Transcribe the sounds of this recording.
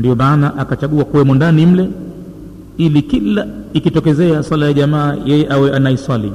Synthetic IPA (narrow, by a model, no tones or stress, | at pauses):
ndiɔmaːnaʔakat͡ʃaɠuakuwɛmɔndanim̩lɛ | ilikilaikitɔkɛzɛaswalajaʄamaːjɛjɛʔawɛʔanaiswalḭ